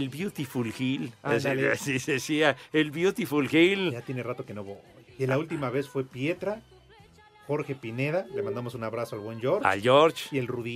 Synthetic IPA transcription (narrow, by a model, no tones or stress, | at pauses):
elbjut̪ifulxilaasisesiaelβjut̪ifulxild͡ʒat̪jenerat̪o̞kenoβoenlault̪imaβe̞sfwe̞pje̞t̪ɾa | xo̞ɾxe̞pine̞ðalemand̪amo̞sunaβɾasoalβwe̞nd͡ʒoɾt͡ʃa̰ʝoɾt͡ʃielruði